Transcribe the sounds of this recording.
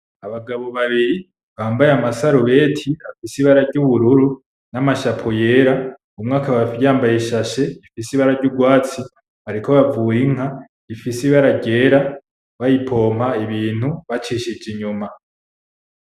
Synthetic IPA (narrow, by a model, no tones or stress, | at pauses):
aβaɡaβo̞βaβiɾi | βaːmbajamasaɾuβe̞ːtʰiafisiβaɾaɾɟuβuɾuɾu | namaʃapʰoje̞ːɾa | umŋaːkaβaaːmbajeʃaʃe̞ifisiβaɾaɟuɡwaːt͡si | haɾiko̞βavujiŋ̥a | ifisiβaɾaɟe̞ːɾa | βajipʰo̞ːmaiβiːn̥huβat͡ʃiʃid͡ʒiɲuma